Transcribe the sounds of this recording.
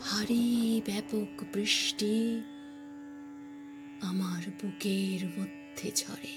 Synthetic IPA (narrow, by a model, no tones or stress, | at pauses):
haɾibɛpokbɾiʃʈi | amaɾbukeɾmod̪ʱːed͡ʑʰʱɔ̰ɾe